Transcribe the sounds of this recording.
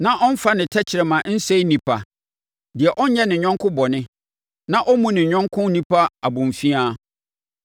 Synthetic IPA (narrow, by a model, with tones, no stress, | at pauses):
nã˦ʔɔ˦n̩˦fa˦nɪ̃˨tʰɛ˦t͡ɕʰɪ˨ɾɛ˨mã˨˦n̩˦sɛ˦i˦nĩ˨pʰa˨ | dɪ˨ɛ˨ʔɔ˦ɲ̩˦ɲɛ˦nɪ̃˨ɲᶣɔ̃˦ŋkʰʊ̃˦bɔ˨nɪ̃˦ | nã˦ʔɔ˦mũ˦nɪ̃˨ɲᶣɔ̃˦ŋkʰʊ̃˦nĩ˦pʰa˦a˨bʊ̃˨ɱ˨fi˦a˦